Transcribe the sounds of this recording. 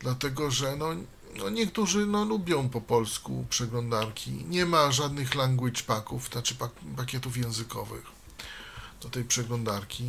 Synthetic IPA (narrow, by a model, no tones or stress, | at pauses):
d̪̥lat̪ɛɡɔʐɛnɔ | nɔɲɛkt̪uʐɘnɔlubʲjɔ̃w̃pɔpɔlskṵpʂɛɡlɔnd̪aɾkʲḭɲɛmaʐad̪nɘxlaŋɡwɘt͡ʂpakufnat͡ʂɘpapakʲɛt̪ufjɛ̃w̃zɘkɔ̰vɘ̰x | d̪̥ɔt̪ɛjpʂɛɡlɔ̃nd̪aɾkʲi